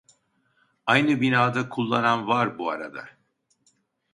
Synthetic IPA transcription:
ajnɯbinaːd̪akʰulˠːananvaɾbuaɾa̰d̪a̰

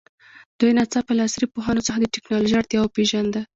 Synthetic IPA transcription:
d̪̥ujnat͡sapəlɑsɾipoɦɑnot͡səxad̪əʈɪknɑloʒiaɾt̪jɑwapeʒand̪a

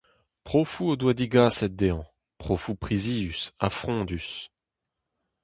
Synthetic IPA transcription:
pχofuod̪wad̪iɡaːsɛt̪̚d̪eɑ̃ | pχofupχiziːysa̰fχɔ̃ːd̪ys

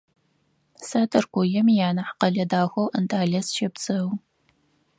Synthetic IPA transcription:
saːtʰɐrkʷʊjɛmijaːnɐħqɐɮɐdaːxʷɐwʔəntʰaːɮɐsʃɐp̚t͡sʼɨw

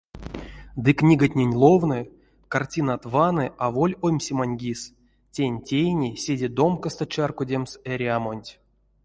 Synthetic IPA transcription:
d̪ɨknʲiɡatʲnʲenʲlˠovnɨ | kartʲinat̪vanɨʔavolʲojmʲsʲimanʲɡʲis | tʲenʲtʲejnʲisʲedʲed̪o̞mkəst̪ət͡ʃarkodʲemseɾʲiamonʲtʲ

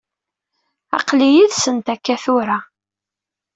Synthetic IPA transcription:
ɑ̰qlijiðsənt̪ækːæθʊɾa

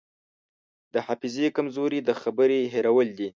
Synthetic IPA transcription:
d̪̥əhafɪzekamzoɾid̪əxabəɾeɦeɾawəld̪i

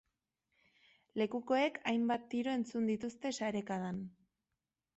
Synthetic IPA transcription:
le̞kuko̞e̞kʰajmbat̪ːiɾo̞e̞nt͡sund̪it̪ust̪e̞saɾe̞kaðan

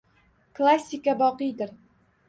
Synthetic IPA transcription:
klˠasʲikabɒqɤjd̪ɘɾ

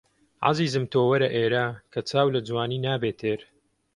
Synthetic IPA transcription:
ʕa̰ziːzɨmt̪ʰoːwɐɾɐʔeːɾaːkʰɐt͡sʰaːwlɐd͡zwaːniːnaːbeːt̪ʰeːɾ

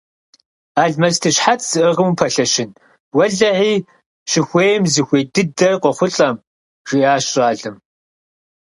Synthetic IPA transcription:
aːɮmɐztʰɨɕħat͡sʰsɨʔəʁəmupʰɐɬɐʃɪn | wɐɮɐʕiː | ɕɪxʷeːjmzɨxʷeːdɨdɐrqʷɔχʷʊɬʼɐm | ʒ̥iːaːɕraːɮɨm

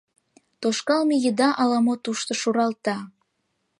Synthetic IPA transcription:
t̪oʃkɑlmijəd̪ɑʔɑlɑmot̪uʃt̪oʃuɾɑlt̪ɑ

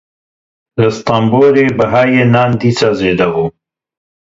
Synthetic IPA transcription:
lɐst̪aːmboːɾeːbɐɦaːjeːnaːnd̪iːt͡saːzeːd̪ɐɣoː

